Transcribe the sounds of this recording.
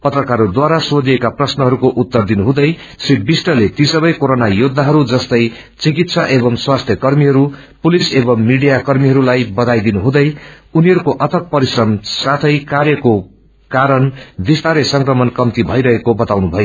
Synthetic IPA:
pʌt̪rʌkaɾud̪waɾasod̪iekaprʌsnʌɦʌɾukoʔut̪ːʌrd̪inuɦũd̪ʌj | siʈ̚bisʈʌlet̪isʌbʌjkoɾonajod̪ʱːaɦʌɾud͡zʌst̪ʌj | t͡sikit̪sʰaʔebʌmswast̪ʰjʌkʌrmiɦʌɾu | pulisebʌmːiɽijakʌrmiɦʌɾulajbʌd̪ajd̪inuɦũd̪ʌj | uniɦʌɾukoʔʌt̪ʰʌk̚pʌɾisrʌmsat̪ʰʌjkarjʌko | kaɾʌnbist̪ʰaɾesʌŋkrʌmʌnkʌmt̪ibʱʌjɾʌɦekobʌt̪awnubʱʌjo

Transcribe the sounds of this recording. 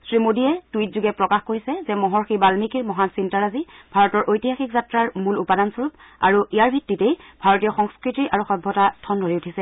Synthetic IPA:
sɹimodijɛtujt̚zuɡɛpɹɔkaxkoɹisɛzɛmɔɦɔɹxibalmikiɹmɔɦansintaɹazibʱaɹɔtɔɹʔojtiɦaxikzatɹaɹmulupadansɔɹup̚a̰ɹuʔijaɹbʱitːitejbʱaɹɔtijɔxɔŋskɹitiʔaɹuxɔbʱːɔtatʰɔndʱoɹiutʰisɛ

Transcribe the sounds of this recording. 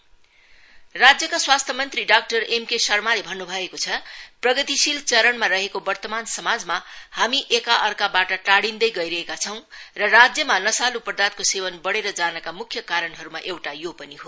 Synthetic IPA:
rad͡zjʌkaswast̪ʰʌmʌnt̪riɖak̚ʈʌremkesʌrmalebʱʌnːubʱʌekot͡sʰʌprʌɡʌt̪isilt͡sʌɾʌɳmaɾʌɦekobʌrt̪ʌmansʌmad͡zmahamiʔekaʔʌrkabaʈʌʈaɽind̪ʌjɡʌjɾʌɦekat͡sʰʌw̃rʌrad͡zjʌmanʌsalupʌrd̪at̪̚kosewʌnbʌɽeɾʌd͡zanʌkamukʰːjʌkaɾʌnɦʌɾumaʔewʈajopʌniɦo

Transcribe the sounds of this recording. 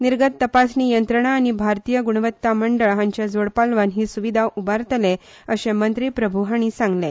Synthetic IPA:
niɾɡət̪ːəpasniːjənt̪ɾəɳ̃aːɽ̃ibʱaɾt̪ijəɡuɳ̃ʋət̪ːaməɳɖəɭɦãɲt͡ɕjad͡zoɽpalʋanɦiːsuʋid̪ʱaʔubaɾt̪le | əɕẽmənt̪ɾiːpɾəbʱuɦaɽ̃isãŋɡle

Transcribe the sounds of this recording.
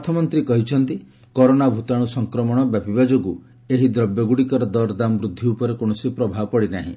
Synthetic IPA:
t̪ʰɔmɔnt̪ɾikɔɦit͡ʃʰɔnt̪i | kɔɾonabʱut̪aɽ̃usɔŋkɾɔmɔɽ̃ɔbjabibad͡ʒoɡu | eɦid̪ɾɔbjɔɡuɽikɔɾɔd̪ɔɾd̪ambɾud̪ʱːiupɔɾekonɔsipɾɔbʱaɔpɔɽinaɦḭ̃

